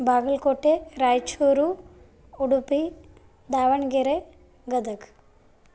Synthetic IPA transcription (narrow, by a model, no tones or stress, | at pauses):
baːɡɐlkoːʈːeɾaːjt͡ʃuːɾu | uɽupːi | d̪aːʋɐɳɡeɾe | ɡɐd̪ɐk